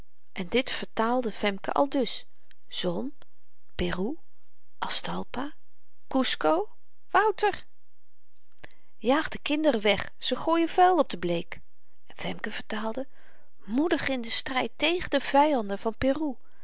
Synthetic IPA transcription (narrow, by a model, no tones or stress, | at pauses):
ʔɛndɪtfəɹtaːlˠdəvɛmkə̰ʔɑ̰lˠdɵs | z̥ɔn | pɪru | ʔɑstɑlˠpa | kuskow | ʋʌwtəɹ | jaːχdəkɪndərəʋɛχ | səχoːjəvɛlˠɔb̚dəblejk | vɛmkəv̥əɹtaːlˠdə | mudəχɪndəstrɛjtejχəndəv̥ɛjɑndəv̥ɑnpɪru